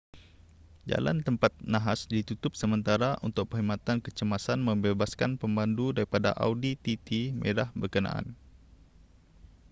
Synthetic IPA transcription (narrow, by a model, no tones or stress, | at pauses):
d͡ʒa̰la̰nt̪əmpat̪̚naɦasdit̪ut̪ʊp̚səmənt̪aɾaʔunt̪ʊk̚pəɦimat̪ankət͡ʃəmasanmə̃mbebaskanpəmbandudaɾipada̰ʔa̰wdit̪it̪imʔḛɾahbərkəna̰ʔa̰n